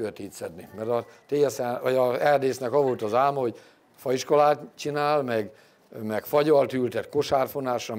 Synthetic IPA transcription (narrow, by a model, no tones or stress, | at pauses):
øt̪iːt̪sɛd̪nimɛɾɒt̪eːɛsɛʋɒɟɒɛrd̪eːsnɛkɒvo̞lt̪ɒzaːlmɒho̞ɟ | fɒiʃko̞laːt̪t͡ʃinaːlmɛɡ | mɛkfɒɟɒlt̪ylt̪ɛt̪ko̞ʃaːrfonaːʃrɒ